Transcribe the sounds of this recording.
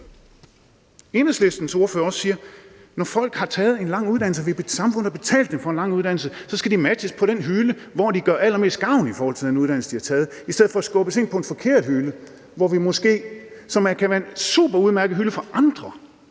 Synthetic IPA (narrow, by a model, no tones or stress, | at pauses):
e̝ːnesle̝sd̥n̩so̝ɐføːɐɒssiːɐ | nɒfɒ̽l̰ɡ̥hɑ̈t͡sʰɛːð̩ˠe̝nlɑ̈ŋ̰uð̥ˠæn̰l̩səʋib̥esɑ̈mfɔ̽n̰ð̩ˠɒbe̝t͡sʰɛ̰ːld̥ːemfɒ̽enlɑ̈ŋ̰uð̞ˠd̥ænl̩səsɒ̽sɡ̥æd̥imædəspʰɒ̽ɾ̥enɦylə | ʋɒd̥iɡ̥ɶɐælɐme̝̰ːsd̥̚ɡ̥ɑ̈ʊ̰nifɒːhɒ̽l̰t͡sʰe̝d̥enuð̞ˠd̥æn̰̩səd̥ihɑ̈t͡sʰɛːð̞̩ˠisd̥eð̰̩ˠfɒ̽æsɡ̥ɔ̽b̥əse̝n̰pʰɒ̽e̝nfɒ̽kʰe̝ɐ̰d̥hylə | ʋɒʋimɔ̽sɡ̥e̝̰ːsɒ̽mækʰæʋæːɐensṵːb̥ɐuð̞ˠmæɐɡ̥ð̩ˠɦyləfɒ̽ʔɑ̈nd̥ʁɐ